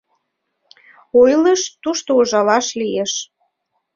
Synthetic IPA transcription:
ojləʃt̪uʃt̪ooʒɑlɑʃlijeʃ

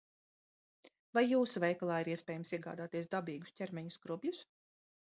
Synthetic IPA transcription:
vajːuːsuvɛjklˠaːiɾiɛspʲɛːjɛmsiɛɡa̰ːd̪aːt̪iɛsd̪abiːɡuscʲɛɾmɛɲuskɾubʲjus

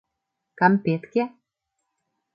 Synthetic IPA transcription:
kampet̪kʲe

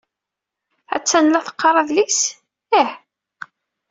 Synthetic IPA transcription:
æ̰t͡sːænlːæθə̥qːɑɾˤɑðlis | æħ

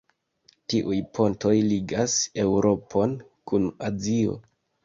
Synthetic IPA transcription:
tiʔujpʰo̞nto̞jliɡase̞wɾo̞pʰo̞n | kunazio̞̰

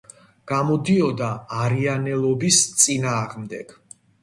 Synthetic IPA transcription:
ɡ̥amɔd̪iɔd̪aːɾianɛlˠɔbist̪sʼinaːʁmd̪ɛɡ̥

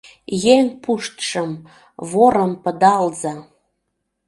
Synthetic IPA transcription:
jeŋpuʃt̪ʃəm | βoɾə̆mpə̆d̪ɑlzɑ

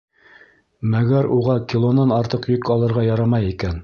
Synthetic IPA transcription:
mæɡæɾuʁɑkʲilˠonɑnɑɾt̪ɤqjɵkɑlˠɤ̆ɾʁɑjɑɾɑmɑjikæn

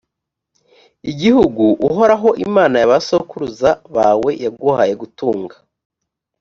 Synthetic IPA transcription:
iɟihuɡuʔuɦo̞ɾaɦo̞ʔimaːnajaβasokuɾuzaβaːwe̞jabɡuhaje̞ɡutuːŋɡḁ

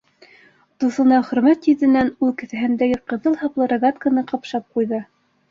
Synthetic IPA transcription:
d̪uθɤ̆nɑχɵ̆ɾmæt̪jɵt̪ɘ̆nænʉlˠkɘ̆θæɦɘ̆nd̪æɡɘqɤ̆ðɤlˠhɑplˠɤɾɐɡat̪kənɤqɑpʃɑp̚qujðɤ

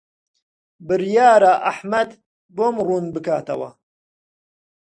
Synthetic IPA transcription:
bɨɾjaːɾaʔaħmɐd̪ | boːmruːnbɨkaːt̪ɐ̰wɐ̰

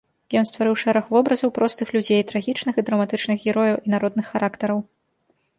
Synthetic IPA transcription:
jɔnst̪vaɾɨwʂɛɾɐxvɔbɾɐzɐwpɾɔst̪ɨxlʲud͡zʲejt̪ɾaɣʲit͡ʂnɨxɨd̪ɾɐmat̪ɨt͡ʂnɨxɣʲɛɾɔjɐwʔinaɾɔd̪̚nɨxːaɾʔakt̪ɐɾɐw

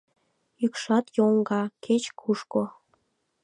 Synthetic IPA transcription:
ykʃɑt̪joŋɡɑkʰet͡ɕkʰuʃko

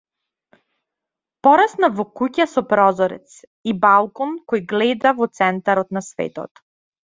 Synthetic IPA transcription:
pɔɾasnavɔkucasɔpɾɔzɔɾɛ̰t̪s | ibalˠkɔnkɔjɡlɛd̪avɔt̪sɛnt̪aɾɔt̪nasvɛ̰t̪ɔ̰t̪

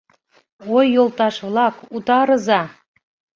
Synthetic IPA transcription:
ojːolˠt̪ɑʃβlˠɑkut̪ɑɾɤ̆zɑ

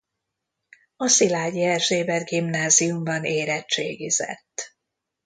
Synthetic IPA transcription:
ɒsilaːɟiɛrʒeːbɛrɡimnaːziumbɒneːɾɛtt͡ʃeːɡizɛ̰t̪ː

